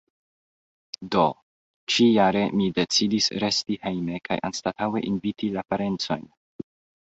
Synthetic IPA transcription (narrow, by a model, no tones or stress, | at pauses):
do̞ | t͡ʃijaɾe̞mide̞t͡sidisɾe̞stihe̞jme̞kʰa̰jʔa̰nstatawe̞̰ʔinvitilapaɾe̞nt͡so̞̰jn